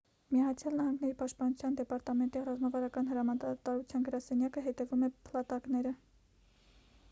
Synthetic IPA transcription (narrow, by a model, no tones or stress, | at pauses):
miɑɑt͡sʰjɑlnɑhɑŋɡnɛɾipɑʃt̪̚pɑnut͡sʰjɑnd̪ɛpɑɾt̪ɑmɛnt̪irɑzmɑvɑɾɑkɑnɦəɾɑmɑt̪ɑɾut͡sʰjɑnɡəɾɑsɛnjɑkəɦɛt̪ɛvumɛpʰlɑt̪ɑknɛɾə